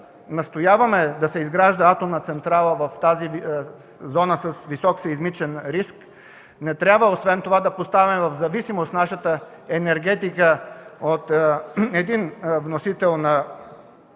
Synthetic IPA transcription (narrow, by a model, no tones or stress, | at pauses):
nɐst̪ojavɐmɛd̪ɐsɛizɡɾaʒd̪əat̪omnɐt̪sɛnt̪ɾalˠəvɐft̪azi | zɔnəsəsvisɔksɐizmit͡ʃɛnɾisk | nɛt̪ɾʲjabvəosvɛnt̪ovad̪ɐpost̪avimɛvɐvzɐvisimost̪naʃət̪ə | ɛnɛɾɡɛt̪ikəot̪ɛd̪invnosit̪ɛlˠnɐ